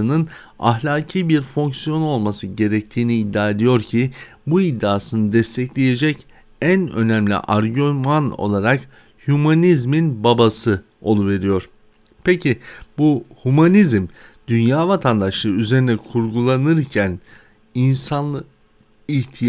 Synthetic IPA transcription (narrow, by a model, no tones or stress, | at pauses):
ɯnɯn | a̰ɦlʲaːcʰiːbiɾfo̞ŋksjo̞no̞lˠmasɯɟe̞ɾɛc̚t̪ʰiːniːd̪ːaːe̞d̪ijo̞ɾcʰi | buid̪ːaːsɯnɯd̪ɛst̪ʰɛclʲeje̞d͡ʒɛc | ænø̞̰næmlʲḭʔaɾɟomano̞̰lˠaɾak | hymanizminbabasɯ | o̞̰lˠuve̞ɾijo̞ɾ̝̥ | pʰecʰibuhumanizm | d̪ynjaːvat̪ʰand̪aʃlˠɯyze̞ɾinɛkʰuɾɡulˠanɯɾcʰæn | insan | iht̪ʰi